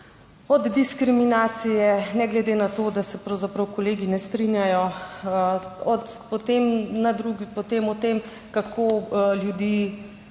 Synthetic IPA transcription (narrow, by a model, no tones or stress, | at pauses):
ɔd̪ːiskɾiminaːt̪sijɛnɛɡlɛd̪enat̪od̪asɛpɾɐwzapɾɐwkɔleːɡinɛst̪ɾinjajɔ | ɔt̪ | pɔt̪emnad̪ɾuɡipɔt̪emɔt̪em | kakʰoljud̪iː